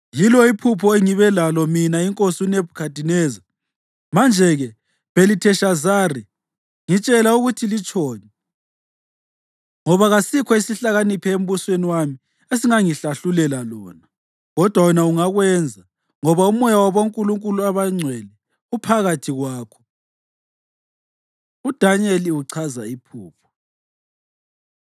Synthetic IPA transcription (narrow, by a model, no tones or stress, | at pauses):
jilɔipʰupʰɔeŋiβɛlalɔminaiŋkʼosiuneb̚ʱu̥kʰad̥ʱinɛːza | mand͡ʒʱɛɣɛ | belitʰɛʃazari | ŋit͡ʃʼɛlauɣutʰilit͡ʃʰʼɔːnɛ | ŋɔβaɣasikʰɔisiɬaɣanipʰɛem̩βusweniwami | es̬iŋaŋiɬaɬulɛlalɔːna | ɣɔd̥ʱwawɛnauŋaɣwɛnd͡zʱa | ŋɔβaumɔjawaβoŋkʼuluŋkʼuluaβaŋ͡ǀʱwɛlɛ | upʰaɣatʰiɣwaːkʰɔ̥ | ud̥ʱaneliuǀʰazaipʰuːpʰɔ̥